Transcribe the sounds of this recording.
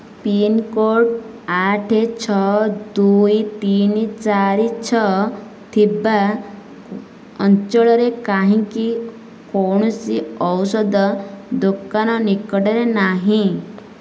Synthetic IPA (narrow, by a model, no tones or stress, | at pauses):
pinkoʈ | aʈʰet͡ʃʰɔd̪ujt̪init͡ʃaɾit͡ʃʰɔ | t̪ʰiba | ɔnt͡ʃɔɭɔɾekaɦĩki | koɳ̃ɔsiɔwsɔd̪ɔd̪okanɔnikɔʈeɾenaɦĩ